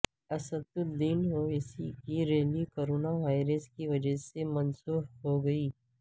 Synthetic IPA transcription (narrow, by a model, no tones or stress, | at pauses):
ɐsət̪ʊd̪iːnoɪsḭkiɾeːlʋikoːɾoːnaʋaːɪɾəskiʋɐd͡ʒəsemɐnsuːɾɦoɡɐiː